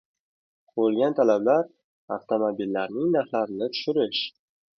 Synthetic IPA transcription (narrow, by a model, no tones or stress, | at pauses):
bolˠɡʲant̪ʰalablaɾ | a̰ft̪ʰomobilːaɾnɪŋnaɾχlaɾɪnɪt̪ʰʊ̥ʃɪɾɪʃ